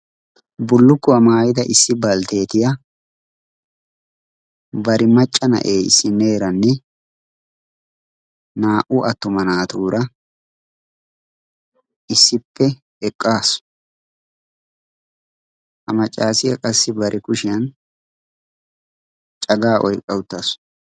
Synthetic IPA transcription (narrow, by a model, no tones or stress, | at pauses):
bʊlːʊkːʊɐmaːjɪd̪ɐʔɪsːɪbɐlt̪e̞ːt̪ɪjɐ | bɐɾɪmɐt͡ʃʼːɐnɐ̰ʔeːɪ̰sːɪne̞ːɾɐnːɛ | naːʔʊʔɐt̪ːʊmɐnaːt̪uːɾʔɐ | ʔɪsːɪpːɛ | ɛkʼːaːsʊ̥ | ʔɐmɐt͡ʃʼːaːsɪjɐkʼɐsːɪbɐɾʔɪkʊʃɪjɐn | t͡ʃʼɐɡaːʔɔjkʼːɐwʊt̪ːɐs